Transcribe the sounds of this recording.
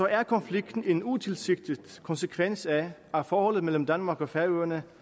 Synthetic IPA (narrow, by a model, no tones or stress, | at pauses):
ɒ̽æɐkʰɒ̽nfliɡ̥d̥n̩e̝nut͡sʰe̝lse̝ɡ̥̚d̥id̥kʰɒ̽nsəkʰʋen̰sææfɒːhɒ̽l̰ð̞̩ˠmel̰m̩d̥ænmɑ̈ːɡ̥ɒfæɐøːɐnə